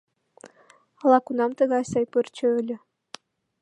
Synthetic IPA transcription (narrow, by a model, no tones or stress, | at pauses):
ɑlˠɑkunɑmt̪ɤ̆ɣɑsʲɑjpɨrt͡ɕə̆ølʲɘ̆